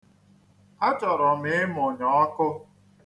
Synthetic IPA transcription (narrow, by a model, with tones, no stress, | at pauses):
a˦t͡ʃɔ˨ɾɔ˨m̩ɪ˨˦ɪ˦mʊ˨ɲɔ˨˦ɔ˦kʊ˦